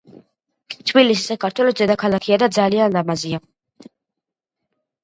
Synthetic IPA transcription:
t̪ʰbilisisakʰaɾt̪ʰwɛlɔsd̪ɛd̪akʰalakʰiad̪ad̪zalianlamazia

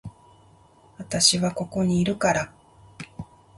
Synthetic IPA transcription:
βat̪aɕiβako̞ko̞ɲ̟iːɾɯ̟kaɾa

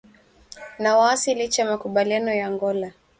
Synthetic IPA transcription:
nawaːsilit͡ʃamakuɓalianɔjaŋɡɔla

